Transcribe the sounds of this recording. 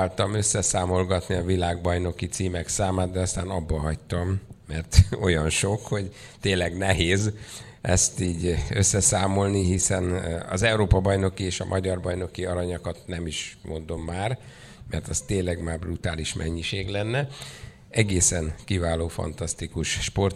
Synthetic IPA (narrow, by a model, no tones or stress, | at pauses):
alt̪ɒmø̞sːɛsaːmo̞lɡɒt̪niɒvilaːɡbɒjno̞kit̪siːmɛksaːmaːd̪̚d̪ɛɒst̪aːnɒbːɒɦɒct̪ɒmːɛrt̪o̞jɒnʃo̞kho̞ɟ | t̪eːnlːɛɡnɛɦeːz | ʔɛst̪iːɟø̞sːɛsaːmo̞lniɦisɛnɒ̰zɛuɾoːpɒbɒjno̞kieːʃɒ̰mʔɒɟɒrbɒjno̞kiɒɾɒɲɒkɒt̪nɛmiʃmʔo̞nd̪o̞mːaːr | mɛrt̪ɒst̪eːnlɛɡmaːrbrut̪aːliʃmɛ̰ɲːiʃeːɡlɛnːɛ | ɛɡeːsɛnkivaːloːfɒ̰nt̪ɒst̪ikuʃʃpo̞rt̪